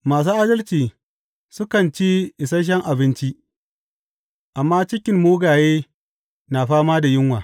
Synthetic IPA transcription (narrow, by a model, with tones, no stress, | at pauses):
maː˨s̬uː˦ʔaː˦dɐ˦lt͡ʃiː˨ | sʊ˦kɐ˨nt͡ʃi˦ʔɪ˨sɐ˦ʃ̬ɛ˦ŋʔa˨bɪ˦nt͡ʃi˦ʔ | ʔa˨mːaː˦t͡ʃɪ˦kʲɪ˨mmoː˦ɡaː˨jeː˦ | na˨ɸaː˦maː˦da˨jɪ˦ŋwaː˨